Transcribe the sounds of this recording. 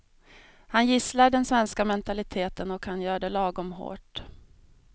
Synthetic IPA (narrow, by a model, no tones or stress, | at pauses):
hanjɪslaɾɖɛnsvɛnskamɛnt̪alɪt̪ʰeːt̪ənɔkhanjœːɖɛlɑːɡʊmɦo̰ːʈ